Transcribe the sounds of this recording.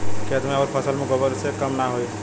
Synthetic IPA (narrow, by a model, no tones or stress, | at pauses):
kʰet̪meaɾpʰəsəlmeɡobəɾsekəmnaɦoj